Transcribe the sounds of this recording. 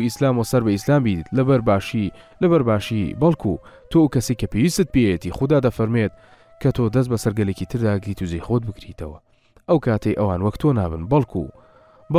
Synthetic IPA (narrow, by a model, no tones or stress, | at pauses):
islaːmosɐɾbɐislaːmbiːt̪lɐbɾbaʃilɐβɐɾbaːʃḭbɐlˠkʰṵt̪ʰowkɐsejkɐpewiːst̪ɨt̪̚peet̪iχud̪aːd̪ɐfɐɾmet̪̚ | kʰɐt̪ʰod̪ɐs̬t̪bɐsɐɾɡɐlecit̪ʰɨɾd̪aːɡɾit̪ʰuzejxoːd̪̚bɨkɾit̪ʰɐwɐ | ʔɐwkʰaːt̪ʰɐjʔɐ̰waːnwɐkt̪ʰoːna̰ːbɨnbɐlˠkʰṵ | b